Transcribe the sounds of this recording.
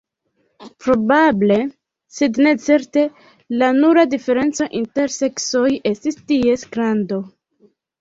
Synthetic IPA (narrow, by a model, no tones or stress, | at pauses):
pɾo̞bable̞ | sedne̞t͡se̞ɾte̞ | lanuɾadife̞ɾe̞nt͡so̞ʔinte̞ɾse̞kso̞je̞stistie̞sɡɾando̞